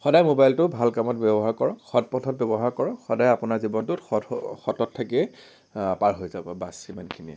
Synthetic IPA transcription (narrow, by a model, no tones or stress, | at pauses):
xɔdajmobajltʊbʱalkamɔtbjɛbɔɦaɹkɔɹɔxɔt̚pɔtʰɔt̚bɛbɔɦaɹkɔɹɔxɔdajapʊnaɹzibɔntʊtxɔtxɔtɔtʰːakiɛ | paɹɦojzabɔbasimankʰiniɛ̰